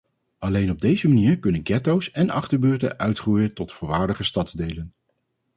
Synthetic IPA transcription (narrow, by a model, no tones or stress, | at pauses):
ɑlejnɔb̚dejzəmaniːɹkɵnənɡɛtowsɛnɑ̰χtəɹbøːɹtə̰ʔœɥtrujəntɔtfʊːɹʋaːɹdəχəstɑtdejlən